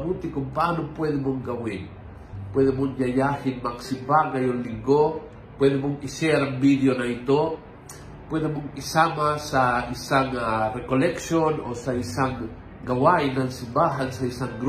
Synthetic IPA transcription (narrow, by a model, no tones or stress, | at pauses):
but̪ɪkʊmpaʔaːnopwɛd̪ɛmoŋɡɐwɪn | pwɛd̪ɛmoŋjɐjahɪnmɐɡsɪmbaŋajoŋlɪŋɡo | pwɛd̪ɛmoŋɪsɛɾaŋbid̪jonɐɪt̪o | pwɛd̪ɛmoŋɪsaːmasaʔɪsaŋaɾɛkolɛkʃonosaʔɪsaŋ | ɡɐwajnɐŋsɪmbaɦansɐɪsaŋɡɾ